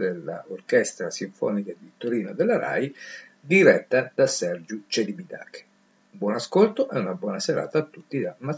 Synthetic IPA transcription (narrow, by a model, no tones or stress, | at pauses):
d̪elːa̰orkɛst̪ɾasiɱfɔ̰ːnikad̪it̪oɾiːnod̪elːaɾa̰j | d̪iɾɛt̪ːad̪̥asɛrd͡ʒut͡ʃed̪ibid̪a̰ːke̥ | ubwɔnaskolt̪oʔɛunabwɔːnaseɾa̰ːt̪aːt̪ːut̪ːid̪ama